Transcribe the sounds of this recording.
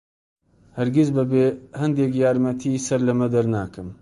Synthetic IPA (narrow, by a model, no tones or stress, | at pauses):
hɐɾɡʲizbɐbeːhɐnd̪eːk̬jaːɾmɐt̪ʰisɐɾlɐmɐd̪ɐɾnaːkɨm